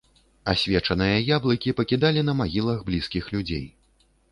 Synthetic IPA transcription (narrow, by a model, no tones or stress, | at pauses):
asʲvʲɛt͡ʂɐnɨjɐjablˠɐkʲipɐkʲid̪alʲin̪ɐmaɣʲilˠɐɣblʲiskʲixlʲud͡zʲḛj